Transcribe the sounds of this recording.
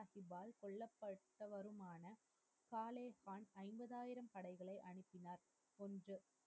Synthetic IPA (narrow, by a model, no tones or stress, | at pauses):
hɪbaːlkɔɭːɐpːɐʈːɐʋɐɾɯmaːnɐ | kaːleːhaːnɐɪmbɐðaːjɪɾɐmpɐɽɐɪɣɐɭɐɪʔɐɳɯpːɪnaːɾ | ɔndrɯ